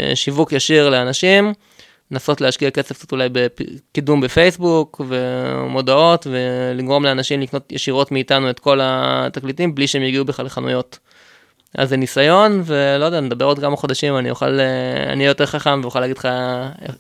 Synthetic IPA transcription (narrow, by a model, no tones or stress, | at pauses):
ʃivukjaʃiʁleanaʃim | naso̞tleaʃkiake̞sefktsot̪ulajbekidumbefejsbukvemo̞d̪ao̞tveliɡʁo̞mleanaʃimlikno̞t̪jeʃiʁo̞tmiːtanue̞t̪ko̞lat̪aklitimbliʃeemjeɡiubeχlaleχanṵjo̞t | ʔa̰zːenisajo̞nve̞lojd̪eaned̪abe̞ʁod̪̚kamaχo̞d̪aʃimanḭjoχa̰lea̰nijjoteʁχaχamvejuχalːaːɡidlχae